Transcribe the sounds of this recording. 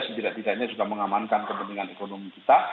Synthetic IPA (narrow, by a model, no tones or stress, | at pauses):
sət̪idaʔt̪idaʔɲad͡ʒuɡaməŋamankankəbənd̪iŋanekonomikit̪a